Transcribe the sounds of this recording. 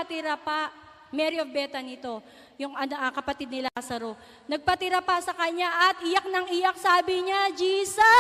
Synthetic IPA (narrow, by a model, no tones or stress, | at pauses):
ɐt̪ɪɾapa | mɛɾiofbɛːt̪ɐnɪt̪o̞ | jʊŋɐɐkɐpɐt̪id̪̚nɪlaːsɐɾo̞ | nɐɡ̚pɐt̪ɪɾɐpɐsɐkɐɲaʔɐt̪̚ʔɪjak̚nɐŋʔɪjak̚saːbɪɲad͡ʒiːsɐ